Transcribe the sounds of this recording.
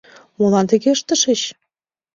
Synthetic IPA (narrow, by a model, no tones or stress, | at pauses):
molɑnt̪ə̆ɣeəʃt̪ə̆ʃə̆t͡ɕ